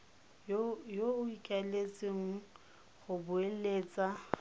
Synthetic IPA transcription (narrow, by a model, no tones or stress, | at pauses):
joʊikʼalet͡sʼɪŋ̩ | ɣʊbʊeleːt͡sʼa